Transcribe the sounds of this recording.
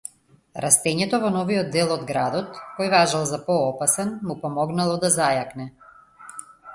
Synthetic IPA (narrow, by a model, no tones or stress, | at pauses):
ɾʔast̪ɛɲɛt̪ɔvɔnɔvijɔd̪ːɛlˠɔd̪ɡɾad̪ɔt̪kɔjvaʒalˠzapɔɔpasɛnmupɔmɔɡnalˠɔd̪azajaknɛ